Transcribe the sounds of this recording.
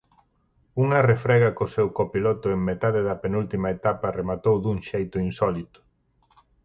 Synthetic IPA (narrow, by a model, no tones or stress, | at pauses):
uŋɐrefɾɛɣɐkosewkopilɔt̪ʊeŋmet̪aðeðɐpenult̪imɐet̪apɐremat̪owðuŋʃejt̪ʊinsɔlit̪ʊ̥